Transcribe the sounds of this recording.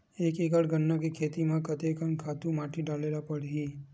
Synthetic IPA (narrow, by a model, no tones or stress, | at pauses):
eːkikəɽɡənːakikʰeːt̪imãkɐt̪ekənkʰaːt̪ũmaːʈiɖaːleːlapɐɽiiː